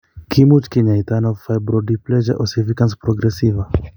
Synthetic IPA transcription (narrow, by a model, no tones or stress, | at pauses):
kʰimut͡ʃkiɲajt̪anovfajbɾodiplɛʒaʔosivikanspɾoɡɾesiva